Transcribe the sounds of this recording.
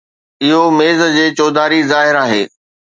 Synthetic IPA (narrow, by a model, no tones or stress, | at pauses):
ɪɦomeːzə̆d͡ʑeːt͡ɕɔːd̪aːɾizaːɦɪɾaːɦeː